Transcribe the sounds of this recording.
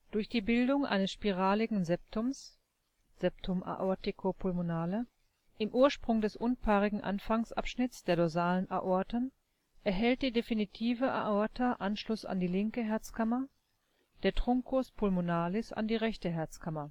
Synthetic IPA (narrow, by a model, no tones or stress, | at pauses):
d̥ʊɐçd̥iːbɪldʊŋʔa̰ɪnəsʃpiʁ̞aːlɪɡŋ̩zɛp̚tʊms | z̥ɛp̚tʰʊmʔa̰ʔɔɐtɪkʰopʰʊlmonaːlə | ʔɪmʔuːɐʃpʁ̥ʊŋdɛsʔʊnpʰaːʁɪɡŋ̩ʔa̰nfaŋsʔa̰pʃnɪt͡sd̥eːɐdozaːlənʔaʔɔɐtən | ʔɛɐɦɛlt̚d̥iːdefinitʰiːvəʔa̰ʔɔɐtɐʔanʃlʊsa̰ndiːlɪŋkəɦɛɐt͡skamɐ | d̥eːɐtʁ̥ʊŋkʰospʰʊlmonaːlɪsa̰ndiːʁɛçtəɦɛɐt͡skʰamɐ